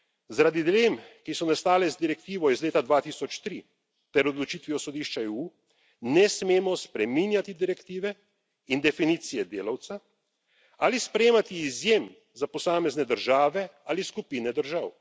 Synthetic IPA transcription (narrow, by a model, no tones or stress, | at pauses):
zaɾad̪id̪ileːmkisɔnast̪aːlɛzd̪iɾɛk̚t̪iːʋɔizleːt̪ad̪ʋaːt̪isɔt͡ʃt̪ɾi | t̪ɛɾɔd̪lɔt͡ʃit̪ʋiɔsɔd̪iːʃt͡ʃaeːu | nɛsmeːmɔspɾɛminjat̪id̪iɾɛkt̪iːʋɛ | ind̪ɛfiniːt̪sijɛd̪eːlawt̪sa | alispɾɛjeːmat̪iːzjem | zapɔsaːmɛznɛd̪əɾʒaːʋɛaliskupinɛd̪əɾʒaw